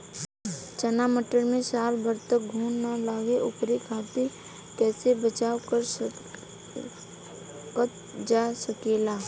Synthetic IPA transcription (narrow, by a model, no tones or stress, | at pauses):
t͡ʃənaːməʈəɾmẽsaːlbəɾt̪ək̚ɡʱuːnːalaːɡeʔʊpɾekʰaːt̪i | kɛːsebət͡ʃaːkəɾ | kət̪ | d͡ʒaːsəkeːlaː